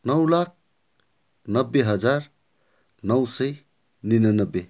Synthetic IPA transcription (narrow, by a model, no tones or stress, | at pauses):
nʌwlak̚ʰ | nʌbːeɦʌd͡zar | nʌwsʌj | ninʌnʌbːe